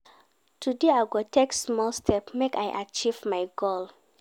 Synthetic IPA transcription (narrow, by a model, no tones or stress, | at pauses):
tʰudeaɡoteksmɔlstʰɛpmeka̰jʔat͡ʃivmajɡol